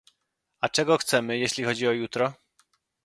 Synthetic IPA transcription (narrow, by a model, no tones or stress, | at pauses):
at͡ʂɛɡɔxt̪sɛmɘjeɕlʲixɔd͡ʑiɔjut̪ɾɔ